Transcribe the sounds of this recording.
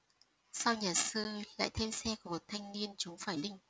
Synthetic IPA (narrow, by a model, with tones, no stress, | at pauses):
sa˧wɲaː˨˩sɨ˧la̰ː˧˨jt̪ʰe˧msɛ˧kɔ˧˩mo˨˩t̚t̪ʰa˧jŋ̟ni˧ənt͡ɕʊ˨˦ŋ͡mfaː˧˩jɗï˧˨ŋ̟